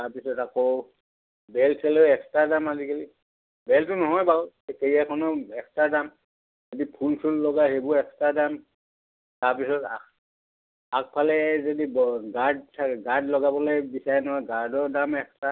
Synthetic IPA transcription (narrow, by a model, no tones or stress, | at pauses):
taɹpisɔtako | bɛlkʰɛlɛɛkstadamazikali | bɛltʊnɔɦɔjba | kejakʰɔnɔɛkstadam | zodipʰulpʰulːɔɡaɦebʊɛkstadam | taɹpisɔta | ak̚pʰalɛzodibɡaɹd̚sʰaɡaɹdlɔɡabɔlojbisaɹɛnɔɦɔjɡaɹdɔdamɛksta